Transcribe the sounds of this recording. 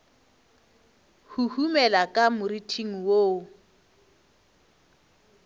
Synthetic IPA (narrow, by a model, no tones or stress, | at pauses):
huhumɛlakʼamʊritʰiŋ̩woː